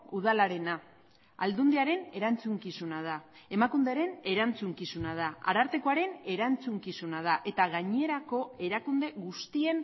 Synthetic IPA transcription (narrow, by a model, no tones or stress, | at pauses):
uð̞alaɾe̞na | ald̪und̪eaɾe̞ne̞ɾant͡suŋkisunað̞ae̞makund̪e̞aɾe̞ne̞ɾant͡suŋkisunað̞aa̰ɾaɾt̪e̞koaɾe̞ne̞ɾant͡suŋkisunað̞aʔe̞t̪aɣaɲieɾako̞e̞ɾakund̪e̞ɣust̪ie̞n